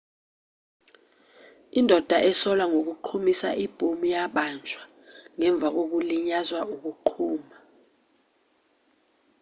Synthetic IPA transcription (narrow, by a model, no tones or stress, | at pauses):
indʱɔd̥ʱaʔɛsɔlwaŋok̬uǃʰumisaʔib̥ʱumujaɓant͡ʃʰʼwa | ŋɛɱb̪vʱak̬ok̬uliɲazwaʔuk̬uǃʰuːma